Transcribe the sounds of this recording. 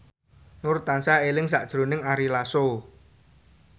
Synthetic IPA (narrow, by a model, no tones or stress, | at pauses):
nʊrt̪ansaelɪŋs̬aʔd̥ʒ̥ɾo̤nɪŋaɾilaso